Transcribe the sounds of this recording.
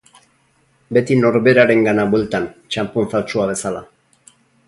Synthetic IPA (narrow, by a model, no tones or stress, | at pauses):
be̞t̪ino̞ɾβe̞ɾaɾe̞ŋɡanaβwe̞lt̪ant͡ʃamponfalt͡ʃuaβ̞e̞sala